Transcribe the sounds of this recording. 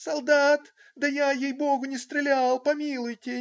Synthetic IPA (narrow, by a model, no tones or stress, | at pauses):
sɐlˠd̪at̪ | d̪əjajejboɡʊnʲɪst̪ɾʲɪlʲalˠpɐmʲilˠʊjtʲɪ